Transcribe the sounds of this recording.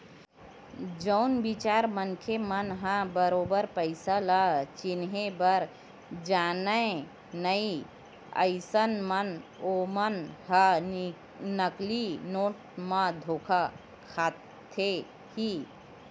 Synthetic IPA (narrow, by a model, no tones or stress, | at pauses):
d͡ʒəʊnbit͡ʃaːɾmənkʰemənɦãbəɾoːbəɾpəɪsalat͡ʃɪnɦẽbəɾ | d͡ʒaːnəe | nəi | ə̰ɪsənmənomənɦa | nəklinoːʈ̚mãd̪ʱoːkʰa | kʰaː | t̪ʰe | hi